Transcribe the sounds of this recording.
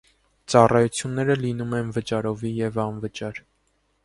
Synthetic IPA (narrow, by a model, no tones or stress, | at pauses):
t͡sɑrɑjut͡sʰjunːɛɾəlinumɛnvət͡ʃɑɾɔvijɛvɑnvət͡ʃɑɾ